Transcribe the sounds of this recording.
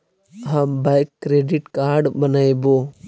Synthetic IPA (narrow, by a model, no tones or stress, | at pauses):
ɦãːmbaɪkːɾeːɖɪʈkaːɾɖbənaeboː